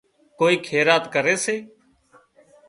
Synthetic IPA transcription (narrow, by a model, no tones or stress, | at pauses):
koːiːkʰeːɾaːt̪kəɾeːseː